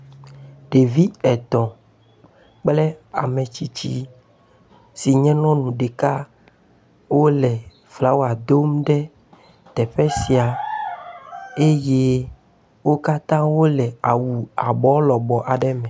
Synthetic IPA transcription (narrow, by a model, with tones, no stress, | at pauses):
ɖe˨vi˦ɛ˨t̪ɔ̃˨ | k͡plɛ˦a̰˨mẽ˨t͡ɕi˨t͡ɕḭ˦ | si˨ɲɛ̃˦nɔ̃˦nũ˨ɖe˨ka˦ | wo˦lɛ˨ | fla˨˦wo˦a˨d̪o˦mɖɛ˦ | t̪ɛ˨ɸɛ˦si˨a˨ | e˦je˦ | wo˦ka˦t̪ã˦wo˦lɛ˨a˨wu˨a˨bɔ˨˦lɔ˨bɔ˨ʔa˨ɖɛ˦mɛ̃˨